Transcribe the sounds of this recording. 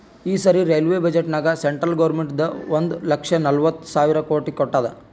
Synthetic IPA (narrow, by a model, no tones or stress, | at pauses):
iːsɐɾiɾejlʋeːbɐd͡ʒeʈnaːɡɐseɳʈɾɐlɡɐʋɾmeɳʈd̪ɐond̪lɐkʂɐnɐlʋɐt̪ːu̥saːʋiɾɐkoːʈikɔʈːaːd̪ɐ̰